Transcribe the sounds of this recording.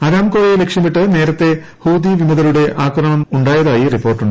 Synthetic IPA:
ɐɾaːmkoːjejlekʂjɐmiʈːɨne̞ːɾɐt̪ːe̞ | huːd̪iʋimɐðɐluɽe̞ʔaːkrɐmɐmuɳɖaːjɐðaːjiripːo̞ːrʈːuɳɖɨ

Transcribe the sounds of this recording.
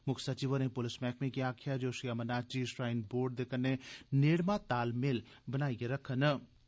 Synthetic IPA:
mʊkʰsɐt͡ʃiʋəɾnẽpʊlɪsmɛːkʰmẽkiaːkʰjad͡ʒoːʃiɐmɐnaːt͡ʃiʃɾaːɪnboːɾɖ̚d̪eːkʰənːeneːɽmãt̪aːlmel | bɐnaːijeɾɐkʰən

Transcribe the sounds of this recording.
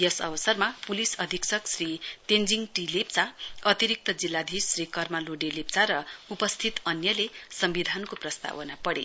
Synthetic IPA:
jʌsʌ̰bʌsʌrmapulisʌd̪ʱiksʌksrit̪end͡ziŋʈilept͡saʌt̪iɾik̚t̪ʌd͡zilːad̪ʱisrikʌrmaloɖelep̚t͡saɾʌupʌst̪ʰit̪ʌnjʌlesʌmbid̪ʱankoprʌst̪a̰wʌnapʌɽḛ

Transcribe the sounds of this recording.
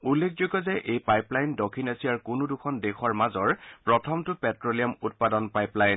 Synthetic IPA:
ulːekʰzoɡɔzɛʔejpajplajndɔkʰinasiaɹkʊnʊdʊkʰɔndexɔɹmazɔɹpɹɔtʰɔmtʊpɛtɹolijamut̚padɔnpajplajn

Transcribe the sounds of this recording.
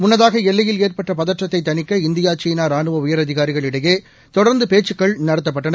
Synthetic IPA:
mʊnːɐðaːɣɐɛlːɐjɪleːrpɐʈːɐpɐðɐʈrɐt̪ːɐɪt̪ːɐnɪkːɐɪnd̪ɪjaːt͡ʃiːnaːɾaːnɯʋɐʊjɐɾɐðɪɣaːɾɪɣɐɭɪɽɐjeː | t̪ɔɽɐɾnd̪ɯpeːt͡ʃːɯkːɐɭnɐɽɐt̪̬ːɐp̬ːɐʈːɐnɐ

